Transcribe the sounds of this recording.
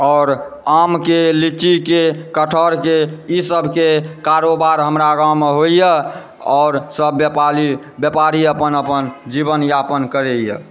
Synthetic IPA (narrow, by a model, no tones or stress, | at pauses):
ɔʊɾ | amkelit͡ʃikekəʈʰəɾkeisəbʱkekaɾobaɾɦəmɾaɡameɦoijə | ɔːɾsəbjəpaɾi | bjəpaɾiəpənəpənd͡ʒibənjapənkəɾejə̰